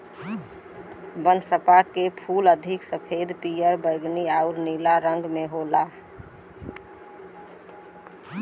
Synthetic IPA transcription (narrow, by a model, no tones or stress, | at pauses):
bə̃nd̪səpakepʰuːləd̪ʱɪksəpʰed̪pijəɾbəɪɡniaʊɾnilaɾə̃ŋɡmẽɦoːla